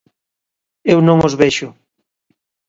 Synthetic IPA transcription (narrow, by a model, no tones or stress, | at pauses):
ewnõŋozβeɛʃʊ